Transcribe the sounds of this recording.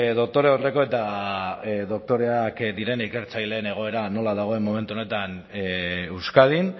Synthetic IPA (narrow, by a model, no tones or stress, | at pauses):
ðo̞k̚t̪o̞ɾeore̞ko̞e̞t̪a | ðo̞k̚t̪o̞ɾe̞akd̪iɾe̞nike̞ɾt͡sajle̞ːne̞ɣ̞o̞e̞ɾano̞laðaɣ̞o̞emːo̞me̞nt̪uone̞t̪an | ewskað̞in